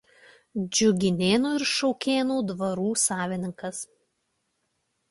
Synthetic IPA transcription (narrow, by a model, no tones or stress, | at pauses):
d͡ʒʲʊɡʲɪnʲeːnuːɪɾʃɔʊkʲeːnuːd̪ʋɐɾuːsɑːʋʲɪnʲɪŋkɐs